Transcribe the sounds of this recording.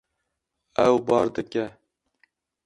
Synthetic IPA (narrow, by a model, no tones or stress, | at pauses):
ɛwbɑːɾd̪ɨkʲɛ